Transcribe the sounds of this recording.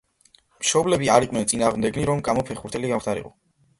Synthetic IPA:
mʃɔblɛbiaɾiqʼnɛnt̪sʼinaːʁmd̪ɛɡniɾɔmkʼamɔpʰɛχuɾt̪ʰɛliɡankʰft̪ʰaɾḭqʼɔ

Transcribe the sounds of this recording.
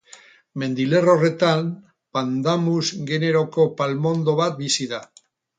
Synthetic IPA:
me̞nd̪ile̞rore̞t̪am | pand̪amuzɡe̞ne̞ɾo̞ko̞palmo̞nd̪o̞βat̪̚bisiða

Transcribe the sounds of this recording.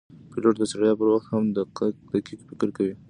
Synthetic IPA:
piloʈd̪əsaɾajɑpəɾwaxt̪hamd̪əd̪əkikfɪkɾkawi

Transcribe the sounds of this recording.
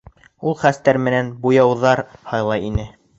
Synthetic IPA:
ulˠχæst̪æɾmɘ̆nænbujɑwðɑɾhɑjlˠɑjinɘ

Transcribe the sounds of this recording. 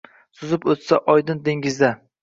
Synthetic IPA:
sʊzɪpot̪saʔɒjd̪ɪnd̪eŋɪzd̪a

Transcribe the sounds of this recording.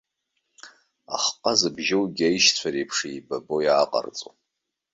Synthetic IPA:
a̰χqʼazɨbʒɪwɡʲajiʃt͡sʷʰaɾepʰʂijbabo̞jaːqʼa̰rt͡sʼo

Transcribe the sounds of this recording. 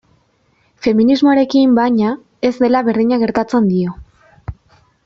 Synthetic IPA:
fe̞minizmo̞aɾe̞kimbaɲa | e̞zd̪e̞laβe̞ɾðiɲaɣ̞e̞ɾt̪at͡se̞nd̪io̞

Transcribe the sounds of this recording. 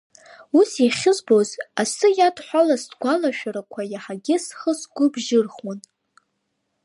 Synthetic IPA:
usiχʲɪzbo̞zasɨjadħʷalasdɡʷalaʃᶣaɾakʷʰajaħaɡʲɪsχəsɡʷʊbʒɪrχwan

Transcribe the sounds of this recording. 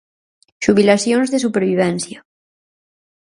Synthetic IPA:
ʃuβ̞ilaθjonzðesupeɾβiβ̞ɛnθjɐ

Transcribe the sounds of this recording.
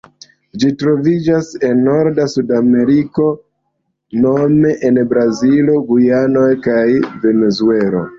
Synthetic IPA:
d͡ʒitɾo̞vid͡ʒase̞nːo̞ɾdasudame̞ɾiko̞ | no̞me̞ʔenbɾazilo̞ɡujano̞jkajve̞ne̞zue̞lo̞̰

